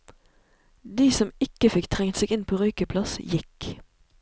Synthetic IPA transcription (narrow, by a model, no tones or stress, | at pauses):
d̪iːsɔmɪkəfɪkt̪ʰʁɛŋt̪seːɡɪnpʰoːʁœʏkəpʰlɑsjɪk